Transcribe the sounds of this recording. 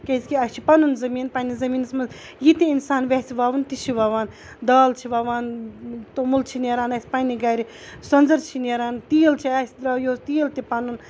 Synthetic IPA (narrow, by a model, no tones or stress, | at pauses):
kesʲkʲiɐt͡ʃʰipɐnunzɐmiːnpɐnizɐmiːnsmɐz | jit̪iinsaːnʋʲesiʋaːʋɐnt̪it͡ʃʰiʋaːʋaːn | d̪aːlt͡ʃʰiʋaːʋaːnt̪omult͡ʃʰineːɾaːnɐsʲpɐniɡɐːɾi | sɐnzɐɾt͡ʃʰineːɾaːnt̪iːlt͡ʃʰiasʲid̪ɾɐjoːsʲt̪iːlt̪ipɐnun